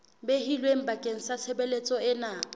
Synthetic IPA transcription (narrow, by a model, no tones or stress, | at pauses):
behilweŋ̩bakʼeŋ̩sat͡sʰebelet͡sʼɔɪna